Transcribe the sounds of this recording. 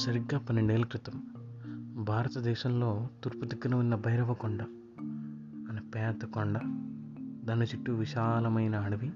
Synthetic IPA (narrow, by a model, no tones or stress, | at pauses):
sɐɾiɡːaːpɐnːeɳɖe̞ːlɐkɾit̪ɐm | bʱaːɾɐt̪ɐd̪ɛːʃɐmlo̞ːt̪uɾput̪iɡːinɐʋunːɐbʱɐjɾɐʋɐkoɳɖɐ | nɐpɛːd̪ɐkoɳɖɐ | d̪ɐːnːit͡ʃiʈːuʋiʃaːlɐmɐjnɐːɽɐʋi